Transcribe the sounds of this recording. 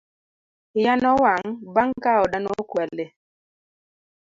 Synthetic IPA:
janɔwaŋbaŋkaɔɗanɔkwɛle

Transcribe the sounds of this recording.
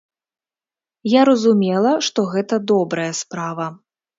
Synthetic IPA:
jaɾɐzumʲɛlˠɐʂt̪ɔɣɛt̪ɐd̪ɔbɾɐjɐspɾavɐ

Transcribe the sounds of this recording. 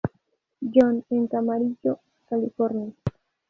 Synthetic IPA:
d͡ʒoneŋkamaɾid͡ʒo | kalifoɾnia

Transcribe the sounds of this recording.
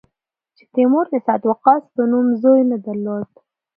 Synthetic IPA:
t͡ʃe̥t̪emoɾd̪əsɑt̪waqɑspənumzojnəd̪aɾlod̪

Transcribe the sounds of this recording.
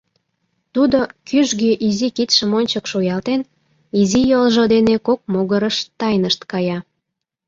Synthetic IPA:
t̪ud̪okyʒɣeʔizikit̪ʃəmonʲt͡ɕəkʃojɑlt̪en | izijolʒod̪enekok̚moɣəɾəʃt̪ɑjnəʃt̪kɑjɑ

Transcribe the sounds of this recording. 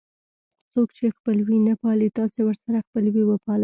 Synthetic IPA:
t͡sokt͡ʃexpəlwinəpɑlit̪ɑsewəɾsaɾaxpəlwiwəpɑl

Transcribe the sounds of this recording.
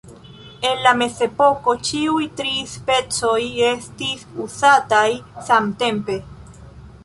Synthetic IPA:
e̞nlame̞se̞po̞ko̞t͡ʃiujtɾispe̞t͡so̞je̞stisusatajsamte̞mpe̞

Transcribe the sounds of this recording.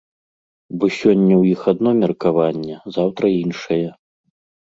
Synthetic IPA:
bɔsʲɔnʲːɐwjixad̪nɔmʲɛrkavanʲːɛzawt̪ɾɐinʂɐjɛ

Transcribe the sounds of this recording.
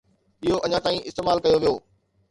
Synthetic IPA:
ɓiɦoʔɐɲãt̪aːĩʔɪ̰st̪eːmaːlkɐjoʋijoː

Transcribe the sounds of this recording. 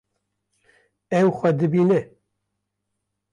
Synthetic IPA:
ɛwxʷɛd̪ɨbiːnɨ

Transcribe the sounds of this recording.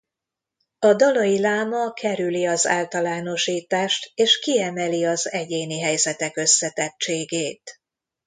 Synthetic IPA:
ɒd̪ɒlojilaːmɒkʰɛɾyliɒza̰ːlt̪ɒlaːno̞ʃiːt̪aːʃt̪eːʃkiɛmɛliɒzɛɟeːniɦɛjzɛt̪ɛkø̞sːɛt̪ɛt͡ʃeːɡeːt̪

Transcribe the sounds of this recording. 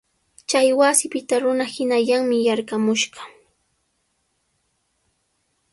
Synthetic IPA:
t͡ʃajwasɪpɪt̪aɾʊnahɪnaʎaŋmɪjaɾkamʊʃɢɑ

